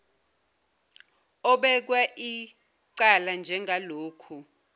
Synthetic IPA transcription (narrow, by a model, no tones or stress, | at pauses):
ɔɓɛk̬waʔi | ǀaland͡ʒʱɛŋʱaloːkʰu